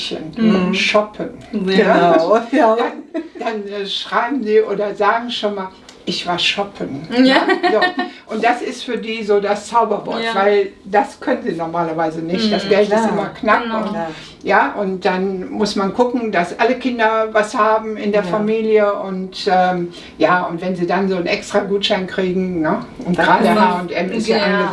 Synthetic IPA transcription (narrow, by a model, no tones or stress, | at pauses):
çə̰nʃɔpʰəna | dand̥anɛʃʁ̥aɪbm̩ziːʔoːdɐzaːɡŋ̩ʃoːnmaːl | ʔɪçv̥aːɐʃɔpʰənadɔʔʊnt̚d̥asɪstfyːɐdiːzoːdast͡saʊbɐvɔ̰ɐtvaɪldaskʰœnənziːnɔʁmaːlɐvaɪzənɪçtd̥asɡ̥ɛltɪstʔɪmɐknap | jaːʔʊnt̚d̥anmʊsmankʰʊkŋ̩dasʔaləkʰɪndɐvashaːbm̩ɪndeːɐfamiːljəʔʊntʔɛːm | jaːʊntv̥ɛnziːdanzoːnʔɛkstʁ̥aɡuːtʃaɪnkʁ̥iːɡŋ̩nəʔʊntɡ̥ʁaːdhaːʊntʔɛmɪsaʔanʁə